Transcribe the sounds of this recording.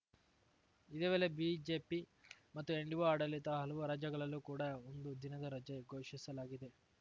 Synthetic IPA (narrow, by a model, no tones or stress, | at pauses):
id̪eːʋeːlebid͡ʒe̞ːpimɐt̪ːueɳɖiʋoaːɽɐlit̪ɐɦɐlɐʋuɾaːd͡ʒɐɡɐɭɐlːuːkuːɽaːond̪ud̪inɐd̪ɐɾɐd͡ʒeɡʱoːʂisɐlaːɡid̪e̞